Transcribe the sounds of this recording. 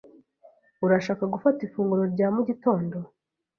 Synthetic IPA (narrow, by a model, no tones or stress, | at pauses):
uɾaʃaːkaɡufatifuːŋɡuɾo̞ɾɟaːmuɟito̞ːndo̞